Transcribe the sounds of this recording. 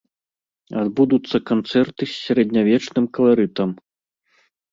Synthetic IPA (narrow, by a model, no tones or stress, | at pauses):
ad̪bud̪ut̪sːɐkant̪sɛrt̪ɨsʲːaɾɛd̪ʲnʲavʲɛt͡ʂnɨmkɐlˠaɾɨt̪ɐm